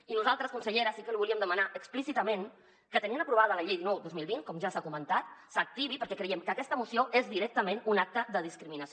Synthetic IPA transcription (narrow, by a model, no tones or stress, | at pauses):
inuzalˠt̪ɾəskunsəʎeɾəsikəliβuliəmd̪əmənaʔəksplisit̪əmen | kət̪əniənəpɾuβaðələʎejðinɔwd̪ozmilˠβinkɔmʒasakumənt̪at̪̚sək̚t̪iβipəɾkɛkɾəjɛmkəkɛst̪əmusioʔezðiɾɛk̚t̪əmenunak̚t̪əðəð̞iskɾiminəs